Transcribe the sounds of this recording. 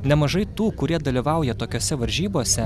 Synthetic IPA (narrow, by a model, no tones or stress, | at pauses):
nʲɛmɐʒɐɪt̪uːkʊɾʲiɛd̪ɐlʲiʋɐˑʊjɛt̪oːkʲoːsʲɛʋɐɾʲʒʲiːboːsʲɛ